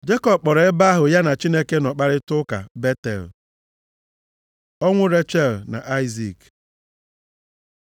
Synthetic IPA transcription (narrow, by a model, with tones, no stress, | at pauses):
d͡ʒe˦kɔ˨b̚k͡pɔ˨ɾe˦ba˦a˦ɦʊ˨ja˦na˨t͡ʃi˦ne˦ke˦nɔ˨k͡pa˦ɾɪ˦tʊ˦ka̰˨be˦tḛ˨l | ɔ˦ŋʷʊ˦ɾe˦t͡ʃe˨lna̰˨ʔa˦ɪ˦zi˨k